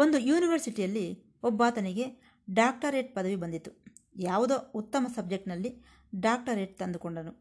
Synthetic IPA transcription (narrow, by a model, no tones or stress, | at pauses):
o̞nd̪ujuːniʋɐɾsiʈijɐlːi | ɔbːaːt̪ɐniɡe̞ | ɖaːk̚ʈɐɾeːʈ̚pɐd̪ɐʋibɐnd̪it̪ːu | jaːʋud̪out̪ːɐmɐsɐb̚d͡ʒe̞k̚ʈnɐlːi | ɖaːk̚ʈɐɾeːʈ̚t̪ɐnd̪ukoɳɖɐnu